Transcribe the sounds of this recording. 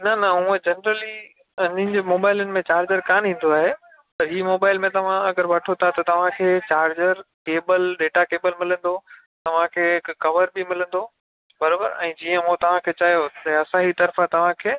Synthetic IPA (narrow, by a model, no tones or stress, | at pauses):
nɐnɐũːẽd͡ʑɐnɾəli | ɐɲɪ̃nd͡ʑeːmoːbaːɪlənɪ̆mẽt͡ɕaːɾd͡ʑəɾkaːnĩːn̆d̪oaːɦeː | pɐɾɦiːmoːbaːɪlmẽt̪ɐʋ̤ãɐɡəɾʋɐʈʰot̪ʰat̪ɐt̪ɐʋ̤ãkʰeːt͡ɕaːɾd͡ʑəɾkeːbəlɖeːʈakeːbəlmɪlə̃nd̪o | t̪ɐʋ̤ãkʰeːkɐʋəɾbɪmɪlə̃n̆d̪o | bɐɾaːbə̰ɾɛ̰̃ːd͡ʑiːə̃mũt̪ɐʋ̤ãkʰeːt͡ɕaːɦijot̪ɐɐsãɦit̪ɐɾfat̪ɐʋ̤ãkʰeː